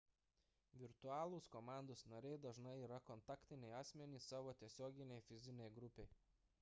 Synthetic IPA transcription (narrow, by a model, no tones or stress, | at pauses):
ʋʲɪɾt̪ʊɑːlˠuːskɔmɑˑnd̪oːsnɐɾʲɛɪd̪ɐʒnɐɪiːɾɐkɔnt̪ɑːkʲt̪ʲɪnʲɛɪɑːsʲmʲɛnʲiːsɑːʋoːt̪ʲiɛsʲoːɡʲɪnʲɛɪfʲɪzʲɪnʲɛɪɡɾʊpʲɛɪ